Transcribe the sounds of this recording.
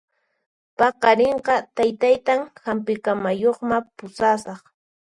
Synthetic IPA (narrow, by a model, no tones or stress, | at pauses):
pɑqɑɾɪɴqɑt̪ajt̪ajt̪aŋhampɪkamajoχmapʊsaːsɑχ